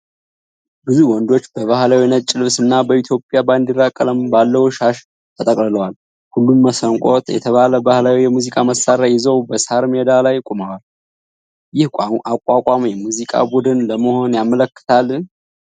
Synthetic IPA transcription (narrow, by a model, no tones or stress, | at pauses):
bɨzuwɔnd̪o̞t͡ʃːbəβahlawinət̪t͡ʃʼɪlɨβsɨnːabəit̪ʰjo̞pʼjaband̪irːakʼələmbalːəhuʃaʃ | t̪ʰət̪ʼəkʼlɨləwal | hulːumːəsəŋkʷʼot̪jɛ̰t̪ʰəβaləbahlawijɛmuzikʼaməsaɾajɪzəwbəsaɾmed̪alajkʼomawal | jɪhakʷʼːakʷʼamjɛmuzikʼa̰bud̪ɨnləməho̞njamələkːɨ̥t̪ʰal